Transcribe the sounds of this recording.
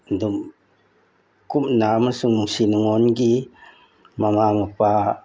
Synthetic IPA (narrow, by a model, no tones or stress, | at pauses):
dum | kumnamasuŋnuŋsinuŋɔnɡi | mamamapa